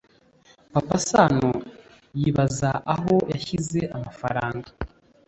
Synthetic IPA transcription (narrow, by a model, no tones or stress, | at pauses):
papasano | jiβazaʔaɦo̞jaçizeʔamafa̰ɾaːŋɡa